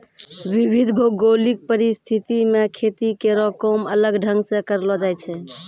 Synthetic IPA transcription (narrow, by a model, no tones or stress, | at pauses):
ʋibʱid̪ʱbʱoɡɡolik̚pəɾist̪ʰit̪imekʰet̪ikeɾɔkɔmələɡɖʱə̃ŋɡsẽkəɾlɔd͡ʒajt͡ʃʰɛ